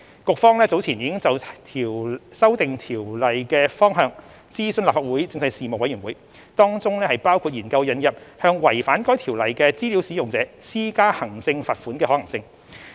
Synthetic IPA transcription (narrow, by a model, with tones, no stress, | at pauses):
kʊ˨k̚fɔː˥ŋlɛː˥t͡so˨˥wt͡sʰiː˨˩njiː˨˧kɪ˥ŋt͡sɐ˨wt̪ʰi˨˩wsɐ˥wt̪ɪ˨ŋt̪ʰiː˨˩wlɐ˨jkɛː˧fɔː˥ŋɦœː˨˧ŋ | t͡siː˥sɵ˧nlaː˨p̚faː˨t̚wuː˨˥jt͡sɪ˧ŋsɐ˧jsiː˨m˨k̚wɐ˨˥jɥy˨˩nwuː˨˥j | t̪ɔː˥ŋt͡sʊ˥ŋnɛː˥hɐ˨jpaː˥wkʰuː˧t̚jiː˨˩nkɐ˧wjɐ˨˧njɐ˨p̚hœː˧ŋwɐ˨˩jfaː˨˥nkɔː˥jt̪ʰi˨˩wlɐ˨jkɛː˧t͡siː˥liː˨˥wsi˨˥jʊ˨ŋt͡sɛː˨˦˥siː˥kaː˥hɐ˨˩ŋsɪ˧ŋfaː˨t̚fuː˨˥nkɛː˧hɔː˨˥ɐ˨˩ŋsɪ˧ŋ